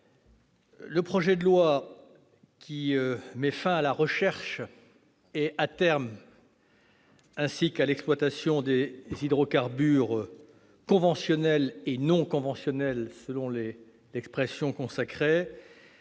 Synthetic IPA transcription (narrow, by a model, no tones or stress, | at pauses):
ləpχɔʒɛd̪əlwa | kʲiømɛfɛ̃alaʁəʃɛʁʃ | ɛat̪ɛʁm | ɛ̃sikalɛksplwat̪asjɔ̃d̪ezid̪ʁɔkaʁbyʁ | kɔ̃vɑ̃sjɔnɛlenɔ̃kɔ̃vɑ̃sjɔnɛlsəlɔ̃le | lɛkspχɛsjɔ̃kɔ̃sakχe